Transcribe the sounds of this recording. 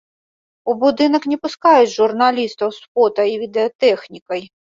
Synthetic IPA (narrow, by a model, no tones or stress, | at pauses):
ubʊd̪ɪnɐknʲɪpʊskɑjʊʒʊrnɐlʲist̪ɔwspɔt̪ɐiʋʲid̪eɔt̪ɛxnʲikɐj